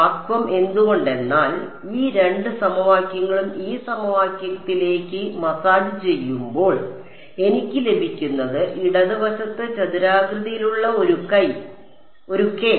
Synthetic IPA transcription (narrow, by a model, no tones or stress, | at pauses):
aːkʋɐme̞nd̪uɣo̞ɳɖe̞nːaːl | iːɾe̞ɳɖɨsɐmɐʋaːkjɐŋːɐɭumiːsɐmɐʋaːkjɐɐt̪ːile̞ːkʲːɨmɐsaːɽut͡ɕe̞jːumbo̞ːɭ | e̞nikʲːɨle̞bʱikʲːunːɐðɨʔiɽɐðɨʋɐɕɐt̪ːɨt͡ɕɐðiɾaːɡɾɨðijiluɭːɐoɾukɐj | o̞ɾuke